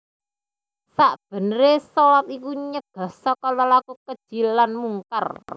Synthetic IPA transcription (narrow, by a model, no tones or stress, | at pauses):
saʔb̥ə̤nəɾesɔlat̪ikuɲəɡ̥a̤sɔkalɔlakukəd̥ʒ̥i̤lːanmuŋkə̰r